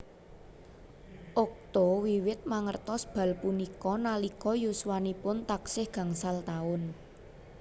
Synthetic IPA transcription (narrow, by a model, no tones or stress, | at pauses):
ʔʊk̚t̪owiwɪt̪̚maŋərt̪ɔsb̥a̤lpunikɔnalikɔjuswanipʊnt̪aksɪhɡ̥ä̤ŋsalt̪aʊn